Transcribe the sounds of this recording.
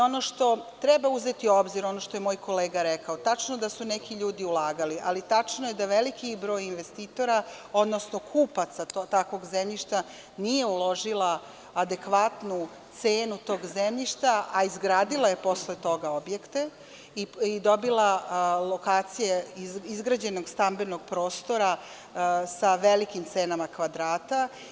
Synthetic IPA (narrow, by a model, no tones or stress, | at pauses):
o̞no̞ʃt̪o̞t̪ɾɛbauze̞t̪io̞bziɾo̞noʃt̪o̞je̞moːjkʰo̞leːɡaɾekaot̪at͡ʂnod̪asunekiʎuːd̪iulaːɡaliʔalit̪at͡ʂnoje̞d̪aʋelikibɾo̞ːjinʋe̞st̪iːt̪o̞ɾa | o̞d̪no̞snokʰuːpat̪saot̪akʋo̞ɡzemʎiʃt̪a | nije̞ulo̞ʒilˠaː | d̪e̞kʋat̪nu | t̪seːnut̪o̞ːɡzemʎiʃt̪aʔaizɡɾaːd̪ilaje̞po̞slet̪o̞ɡaobje̞kt̪e | iid̪o̞bilalo̞kaːt̪sijeizɡɾad͡ʑe̞no̞ɡst̪ambeno̞ɡ̥pɾo̞ːst̪o̞ɾa | saʋelikimt̪seːnamakʋad̪ɾaːt̪a